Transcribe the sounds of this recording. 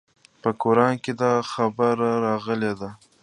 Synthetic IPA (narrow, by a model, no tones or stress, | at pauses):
pəkoɾɑnked̪ɑxabəɾaɾɑɣəled̪a